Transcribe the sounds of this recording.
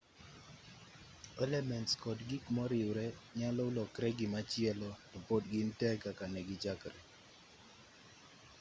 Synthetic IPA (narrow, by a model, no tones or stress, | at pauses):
ɛlɛmɛntskɔdɡikmɔɾɪwɾɛɲalɔlɔkɾɛɡɪmat͡ʃɪɛlɔtɔpodɡɪntɛkakanɛɡɪd͡ʒakɾɛ